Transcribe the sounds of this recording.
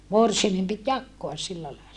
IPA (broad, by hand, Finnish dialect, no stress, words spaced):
morsiɑmem pit jɑkːoɑs silːæ lɑilɑ